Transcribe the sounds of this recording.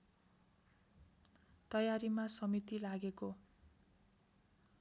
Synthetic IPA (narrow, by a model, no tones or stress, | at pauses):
t̪ʌjaɾimasʌmit̪ilaɡeko